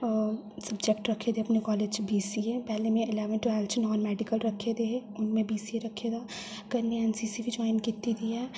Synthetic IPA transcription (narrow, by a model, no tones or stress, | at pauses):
sɐbd͡ʒek̚ʈɾɐkʰed̪eɐpnekɔːled͡ʒbiːsiepɛɦlemẽʔɪleːʋənʈuɛlt͡ʃnɔːnmɛːɖikəlɾɐkʰed̪eeʊnmẽbiːsieɾɐkʰed̪a | ɐɡɐɾneɛnsiːsibid͡ʒɔːɪnkit̪ːid̪iɛ